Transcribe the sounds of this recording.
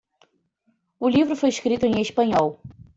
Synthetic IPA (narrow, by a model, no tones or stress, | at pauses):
ʊlivɾʊfojɪʃkɾit̪ʊẽj̃eʃpɐ̃ɲɔw